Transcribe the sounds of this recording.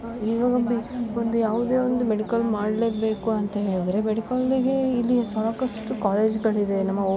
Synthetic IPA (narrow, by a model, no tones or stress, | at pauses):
iːɡaːɡɐmbiond̪ujaːʋud̪e̞ːond̪umeɽikɐlmaːɽle̞ːbe̞ːkuɐnt̪ɐɦe̞ːɭid̪ɾe̞meɽikɐliɡe̞ilːisaːɾkɐʂʈukaːle̞ːd͡ʒɡɐɭid̪e̞nɐmːɐ